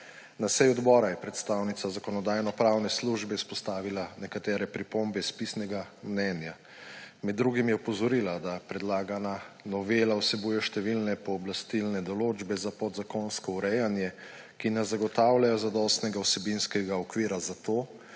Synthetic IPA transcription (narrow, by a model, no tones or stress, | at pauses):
nasɛjɔd̪bɔːɾajɛpɾɛt̪st̪awnit̪sazakɔnɔd̪aːjnɔpɾawnɛsluʒbɛispɔst̪aːʋilanɛkat̪ɛːɾɛpɾipombɛspisnɛɡamnɛnja | mɛd̪ːɾuɡimjɛpɔzɔɾilad̪apɾɛd̪laːɡananɔʋeːlawsɛbuːjɛʃt̪ɛʋilnɛpɔːblast̪ilnɛd̪ɔloːd͡ʒbɛzapɔd̪zakonskɔuɾɛjanjɛ | kinɛzaɡɔt̪aːwlajɔzad̪ɔst̪nɛɡawsɛbinskɛɡaɔkʋiːɾazat̪oː